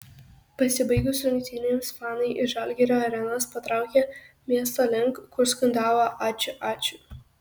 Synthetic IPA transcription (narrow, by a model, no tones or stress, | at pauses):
pɐsʲɪbɐɪɡʊsʲɾʲʊŋkʲt̪ʲɪnʲeːmsfɑːnɐɪʔɪʒɑlʲɡʲɛɾʲoːɐɾʲɛnɐspɐt̪ɾɑˑʊkʲɛ | mʲiɛs̬t̪oːlʲɪŋkkːʊɾskʊnʲd̪ɑːʋoːʔɑːt͡ʃʲʊʔɑːt͡ʃʲʊ